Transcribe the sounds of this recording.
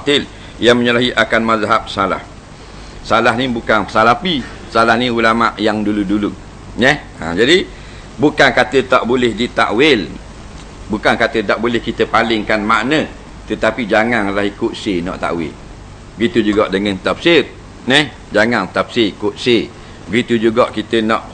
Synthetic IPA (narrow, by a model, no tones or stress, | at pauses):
t̪ɪl | jaŋməɲulaɦiʔakanmazaɦap̚sala̰h | salaɦnibukanpəsalapi | salahnĩulamaʔjaŋduludulu | nɛh | a̰d͡ʒadi | bukankat̪ət̪aʔbolɪhdit̪a̰ʔwɪl | bukankat̪ət̪aʔbolɛhkit̪əpalɪŋkanmaʔnə | t̪ət̪apid͡ʒaŋanlahikʊʔ̪senɔ̰ʔt̪a̰ʔwɪ̰l | bəɡit̪ud͡ʒuɡɔʔdəŋənt̪apsɪr | nɛh | d͡ʒaŋant̪ap̚serikʊʔ̪̚se | bəɡit̪ud͡ʒuɡɔʔkit̪ənɔʔ